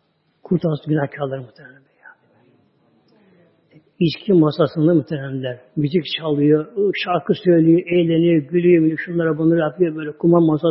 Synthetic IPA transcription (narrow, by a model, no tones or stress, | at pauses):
kʰuɾt̪ʰasɟynahcʰalˠaɾɯmut̪ʰenɛnɛb̪eja | iʃcʰimmasasɯnd̪amut̪ʰeɾænlʲæɾmyzyct͡ʃʰalˠɯjoʃaɾkʰɯsø̞jlʲˠyjoʔejlʲenijoɟylʲyjominʲʃunˠaɾabonaɾjapʰɯjobøjlʲɛkʰumanmasa